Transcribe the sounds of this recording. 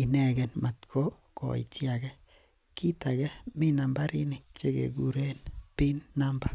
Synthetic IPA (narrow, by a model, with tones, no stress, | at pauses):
i˨nɛ˦˨ɡɛ˨nma˨t̪kʰo˦ | kɔ̰˨ḭ˨t͡ʃja˨ɡɛ˦ | ki˦ta˨ɣɛ˦mi˦na˨mba˦ɾi˦ni˨k̚t͡ʃe˦kḛ˨ɡu˨ɾe˦npi˦nːa˦mba˦